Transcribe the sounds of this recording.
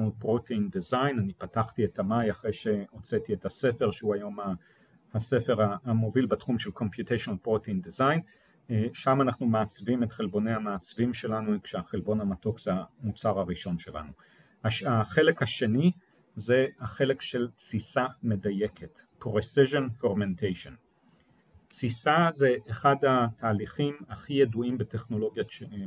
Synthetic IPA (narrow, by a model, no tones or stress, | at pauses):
udpʁotʰeind̪izajnanipataχtiethamajaχʁejʃe̞ot͡setiethase̞fe̞ʁʃeuajo̞ma | ase̞fe̞ʁaamo̞vilbetχumʃelko̞mpjut̪ejʃonpʁoteind̪izajn | ʃamanaχnumeːt͡svimetχe̞lbo̞nejhamaːt͡svimʃe̞lanuikʃeaχelbo̞namato̞kz̥eamut͡saʁaʁiʃo̞nʃe̞la̰nu | haʃaχe̞lekhaʃe̞ni | ze̞haχe̞lekʃe̞lt͡sisame̞daje̞kʰet | pʁesiʃonfoʁmentʰejʃon | t͡sisaze̞ʔːχadatʰaːliχimaχijeduimbeteχno̞lo̞ɡjaʃe